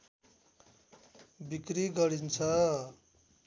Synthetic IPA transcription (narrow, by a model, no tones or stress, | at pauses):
bikɾiɡʌɾint͡sʰʌ